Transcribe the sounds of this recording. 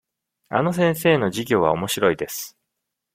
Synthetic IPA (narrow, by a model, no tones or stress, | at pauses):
a̰no̞s̬ẽ̞ɰ̃s̬e̞ːno̞ʑiɡʲo̞ːβ̞a̰o̞mo̞ɕiɾo̞id̪e̞sɨ̥